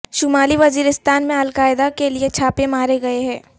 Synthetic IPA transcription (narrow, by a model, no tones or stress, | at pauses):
ʃʊmaːliʋɐziːɾɪst̪aːnmẽɐlkaːɪd̪akeliet͡ʃʰaːpẽmaːɾeɡɐeɦɛ̃ː